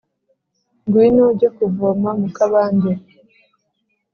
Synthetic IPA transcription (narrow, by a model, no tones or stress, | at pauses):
ŋɡwinuɟokuvomamukaβaːɲde